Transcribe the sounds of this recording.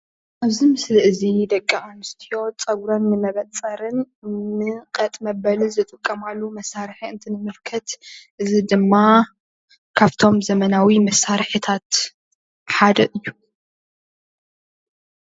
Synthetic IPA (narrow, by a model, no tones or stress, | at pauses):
ʔaβzimɨslɨʔɨzid̪ɐkʼːiʔanɨst̪ʰijo̞t͡sʼɐɡɾo̞nmɨmɐβɐt͡sʼːɐɾɨn | mɨkʼɐt̪ʼmɐbɐlɨzɨt̪ʼɨkʼːɐmalːumɐsːaɾħiɨnt̪ʰinɨmɨlkʰɐt̪ʔɨzid̪ɨmːa | kʰaβt̪ʰo̞mzɐmɐnawimɐsːaɾħit̪ʰat̪ | ħad̪ɐʔɨjːu